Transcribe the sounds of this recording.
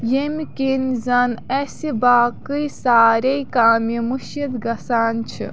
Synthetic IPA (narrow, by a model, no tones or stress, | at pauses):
jemikinzɐnesibaːkɨjsaːɾɐjkaːmimuʃid̪ɡɐsaːnt͡ʃʰḭ